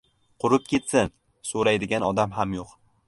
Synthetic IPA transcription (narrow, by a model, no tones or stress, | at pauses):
qʰʊɾɪp̚kʲe̞t̪sɪn | soɾajd̪ɪɡʲanɒd̪amɦamjoq